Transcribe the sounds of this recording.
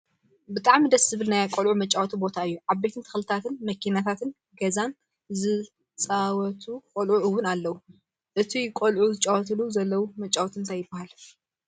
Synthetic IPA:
bɨt̪ʼaʕmid̪ɐsɨβɨlnajakʼolʕumɐt͡ʃʼawt̪ʰibo̞t̪ʰaɨjːuʕaβbe̞t̪ʰɨnt̪ʰɨ̥xlɨt̪ʰat̪ʰɨnmɐkʰinat̪ʰat̪ʰɨn | ɡɐzan | zɨ | t͡sʼawɔt̪ʰukʼolʕuʔɨwːʊnalːɐwu | ʔɨt̪ʰikʼolʕuzɨt͡ʃʼawɔt̪ʰɨluzɐlːɐwumɐt͡ʃʼawt̪ɨnt̪ʰajɪbːahal

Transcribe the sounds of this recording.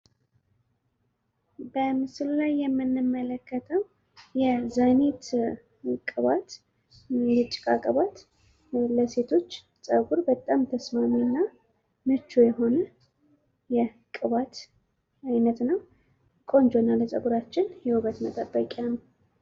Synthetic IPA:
bəmɨsɨllajːɛmːɨnːɨmːələkːət̪ʰəw | jɛzanet̪ | kʼɨβat̪ | jɛt͡ʃʼːɪ̥kʼakʼəβat̪ | ləse̞t̪ʰo̞t͡ʃː | sʼəɡuɾbət̪ʼːamt̪ʰəsmaminːa | mɨt͡ʃːojɛɦo̞nə | jɛ | kʼɨβat̪ | ajnət̪nəw | kʼo̞nd͡ʒonaləsʼə̰ɡuɾat͡ʃːɪnjɛwuβət̪mət̪ʼəbːəkʼanəw

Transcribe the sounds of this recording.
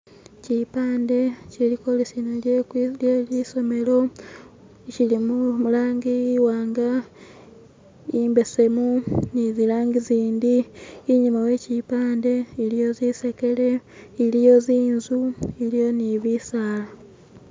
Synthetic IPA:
cipaːnde̞ciliko̞lisinoljeljeliso̞me̞lo̞ | cilimumulaːŋɡiwaːŋɡa | imbe̞se̞munizilaːŋɡiziːndiːɲimawe̞cipaːnde̞ːɾijo̞ziseke̞le̞ːɾijo̞ziːnzuiɾijo̞niβisaːla

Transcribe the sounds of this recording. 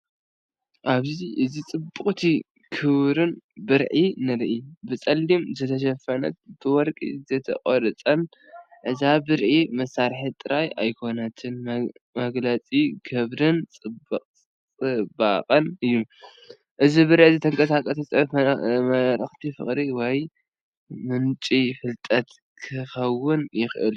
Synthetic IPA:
ʔaβziʔɨzit͡sʼɨbːɨχʼt̪ʰi | kʰɨβɾɨnbɨɾʕinɨɾʔibɨt͡sʼɐlːimzɐt̪ʰɐʃ̬ɐfɐnɐ̰t̪̚b̥ɨwɔɾkʼḭzɐt̪ʰɐ̰qʼoɾɨt͡sʼɐn | ʔɨzabɨɾʕimɐsːaɾħit̪ʼɨɾajajkʰo̞nɐt̪ʰɨnmɐɡlɐt͡sʼiɡɐβɾɨnt͡sʼɨbɐqʼ | t͡sʼɨbaqʼɐnɨjːu | ʔɨzibɨɾʕizɨt̪ʰɐŋkʼɐsakʼɐsɐt͡sʼmɐɾɨxt̪ʰifɨ̰χʼɾiwɔj | mɨnt͡ʃʼifɨlt̪ʼɐt̪ | kʰɨxɐwːʊnjɪxʔɨ̰l

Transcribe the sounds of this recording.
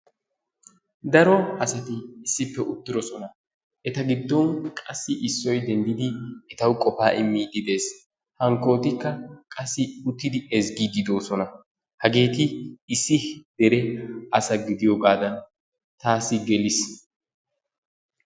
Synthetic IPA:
d̪ɐɾɔɐsɐt̪ɪːsːɪpːɛʔʊt̪ːɪɾɔsɔnɐ | ʔɛt̪ɐɡɪd̪ːɔnkʼɐsːɪʔɪsːɔjd̪ɛnd̪ɪd̪ɪɛt̪ɐwkʼɔfaːʔɪmːiːd̪ɪd̪e̞ːs | hɐŋkːo̞ːt̪ɪkːɐkʼɐsːɪʊt̪ːɪd̪ɪɛzɡiːd̪ɪd̪o̞ːsɔnɐ | hɐɡe̞ːt̪ɪɪsːɪd̪̥ɛɾɛɐsɐɡɪd̪ɪjɔɡaːd̪ɐn | t̪aːsɪɡɛlɪs

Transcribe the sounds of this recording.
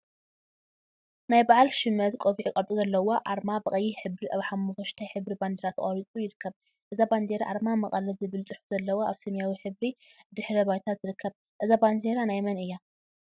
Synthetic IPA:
najbaʕalʃɪmːɐt̪kʼoβiʕikʼɐɾtʼuzɐlːɐwoʔaɾmabɐχʼɐjːiħɨβɾiʔaβħamːufɐʃt̪ʰajħɨβɾiband̪eɾat̪kʼɐɾit͡sʼujɪɾɨkʰːɐβ | ʔɨzaband̪eɾaʔaɾmamɐχʼɐlɐzɨβɨlt͡sʼɨħu̥z̥ɐlːɐwoʔaβsɐmjawiħɨβɾid̪ɨħɾɐbajt̪ʰat̪z̥ɨɾɨkʰːɐβ | ʔɨzaband̪eɾanajmɐnɨjːa

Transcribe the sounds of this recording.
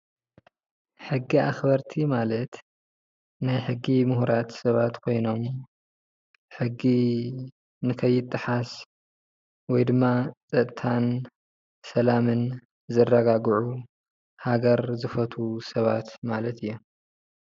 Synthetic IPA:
ħɨɡːiaxbɐɾt̪ʰimalɐt̪ | najħɨɡːimʊhuɾat̪sɐβat̪kʰo̞jno̞m | ħɨɡːi | nɨkʰɐjːɪt̪ʼːɨħas | wɔjd̪ɨmːat͡sʼɐt̪ʼt̪ʰan | sɐlamɨn | zɐrːɐɡaɡʕu | haɡɐɾzɨfɐt̪ʰusɐβat̪malɐt̪ʰɨjːo

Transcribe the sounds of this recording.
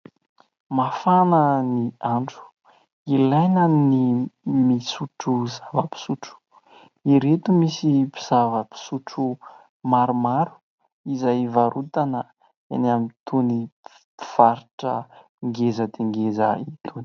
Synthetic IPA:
mafanəniaɳɖ͡ʐu̥ | ilajnənimisuʈ͡ʂuzavəpi̥suʈ͡ʂu̥ | iɾet̪umisipi̥z̥avəpi̥suʈ͡ʂu | maɾumaɾu̥ | izajvaɾut̪anə | ḛnamit̪ʰuni | v̥aɾiʈ͡ʂə | ŋɡezəd̪eŋɡezə̰it̪ʰuni̥

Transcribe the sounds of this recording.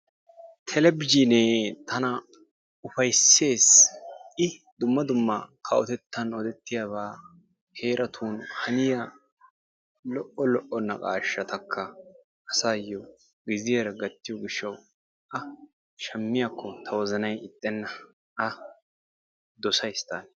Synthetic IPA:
t̪ʰɛlɛbɪd͡ʒineːt̪ʰɐnɐ | ʊfɐjsːe̞ːsʔɪd̪ʊmːɐd̪ʊmːɐkʰɐʔɔt̪ɛt̪ːɐnɔd̪ɛt̪ːɪjaːβaː | he̞ːɾʔɐt̪ʰuːnhɐnɪja | lɔʔɔlɔʔːɔnːɐ̰kʼaːʃːɐt̪ɐkʰːɐ | ʔɐsaːjːɔ | ɡɪzɪjɛɾɐɡɐt̪ːɪjɔɡɪʃːɐw | ʔɐ | ʃɐmːɪjakʰːɔt̪ʰɐwɔzɐnɐjɪt̪ʼːɛnːɐ | ʔɐ | d̪ɔsɐjst̪aːn

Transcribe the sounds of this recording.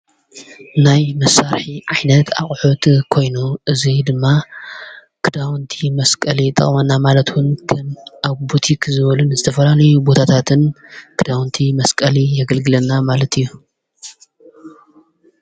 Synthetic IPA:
najmɐsaɾħiʕajnɐt̪ʰa̰χʼħut̪kʰo̞jnuʔɨzid̪ɨmːa | kʰɨd̪awnt̪ʰimɐskʼɐlit̪ʼɐ̰χʼmɐnːamalɐt̪wʊnkʰɐmʔaβbut̪ʰikʰzɨβɐlunɨzɨt̪ʰɐfɐlalɐjubo̞t̪ʰat̪ʰat̪ʰɨnkʰɨd̪awnt̪ʰimɐskʼɐlijɐɡɐlɡɨlɐnːamalɐt̪ʰɨjːu

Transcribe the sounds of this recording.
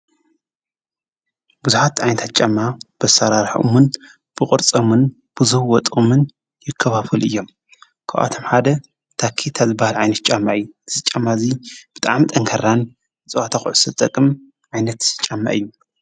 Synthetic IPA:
buzuħat̪ʕajnɐt̪ʰat̪̚t͡ʃʼamːab̥ɐsaɾaɾħʔṵmɨn | b̥ɨkʼɨɾt͡sʼɐmɨn | b̥ɨzuhwɔt̪ʼumɨn | jɪkʰːɐβafɨlɨ̰jːo̞m | kʰɐwʔa̰t̪ʰomħad̪ɐ | t̪ʰakʰːit̪ʰazɨbahalʕajnɐt̪̚t͡ʃʼamːaʔɨjːuzɨt͡ʃʼːamːazib̥ɨt̪ʼa̰ʕmt̪ʼɐŋkʰɐran | ɨt͡sʼɨwat̪ʰaxṵʕsɨt̪ʼɐkʼɨm | ʕajnɐt̪t͡ʃʼamːa̰ʔɨjːu

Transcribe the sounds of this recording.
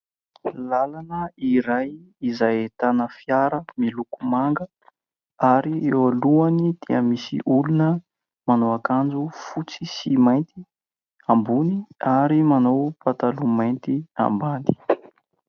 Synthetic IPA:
lalanəiɾaj | izajet̪anəfiaɾəmilukumaŋɡə | aɾiewaluanid̪̥iəmisḭʔulunə | manowakand͡zufut͡sisimajnt̪i | ambuniaɾimanowpat̪alumajnt̪ia̰mband̪i̥

